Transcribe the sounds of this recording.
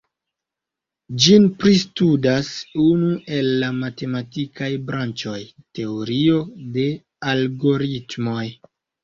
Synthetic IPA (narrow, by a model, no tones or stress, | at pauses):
d͡ʒinpɾistudasunuʔe̞lːamate̞matikʰajbɾant͡ʃo̞jte̞oɾio̞de̞ | alɡo̞ɾitmo̞j